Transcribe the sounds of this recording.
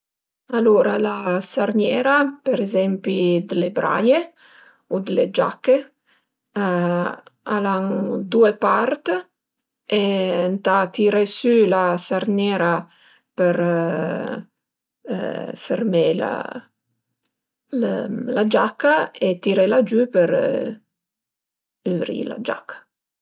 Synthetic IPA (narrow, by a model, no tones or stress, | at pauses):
aloɾalasarnjɛːɾapeɾezɛmpid̪elebɾa̰je | ud̪led͡ʒa̰kːe | alaŋd̪uepart̪ | ent̪at̪iɾesylasarnɛːɾa | peɾ | fermela̰ | llad͡ʒakːaet̪iɾelad͡ʒypəɾ | yvɾḭla̰d͡ʒa̰kʰːḁ